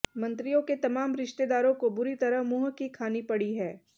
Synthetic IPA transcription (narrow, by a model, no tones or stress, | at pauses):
mɐ̃nt̪ɾijõket̪ɐmaːmɾɪʃt̪ed̪aːɾõkobʊɾit̪ɐɾəɦmʊɦkikʰaːnipɐɽiɦɛː